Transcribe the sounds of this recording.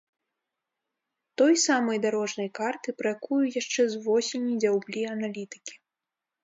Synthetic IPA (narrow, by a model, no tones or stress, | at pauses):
t̪ɔjsamɐjd̪aɾɔʐnɐjkart̪ɨpɾɐjakujujaʂt͡ʂɛzvɔsʲenʲːijd͡zʲawblʲiɐnalʲit̪ɨ̥kʲi̥